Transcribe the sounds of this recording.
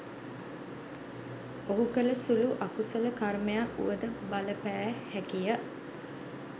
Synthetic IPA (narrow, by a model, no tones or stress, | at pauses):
oɦukələsuluʔakusələkarmejaṵʋəd̪əbaləpæːhækijə